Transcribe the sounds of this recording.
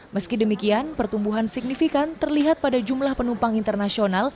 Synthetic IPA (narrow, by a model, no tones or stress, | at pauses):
məskidəmikianpərt̪umbuɦansiɡ̚nifikant̪ərliɦat̪̚padad͡ʒumlahpənumpaŋint̪ərnasional